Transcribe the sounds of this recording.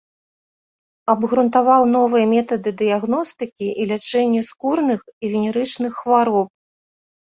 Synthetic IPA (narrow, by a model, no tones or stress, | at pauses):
ɐbɣɾunt̪avawnɔvɨjɐmʲɛt̪ɐd̪ɨd̪ɨjaɣnɔst̪ɨkʲiʔilʲat͡ʂɛnʲːɛskurnɨxivʲinʲɛɾɨt͡ʂnɨxːvaɾɔp̚